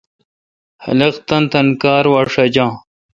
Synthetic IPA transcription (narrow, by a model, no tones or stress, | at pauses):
hɐ̰leqt̪ɐnt̪ɐnkaːɾwaʂɐd͡ʑãː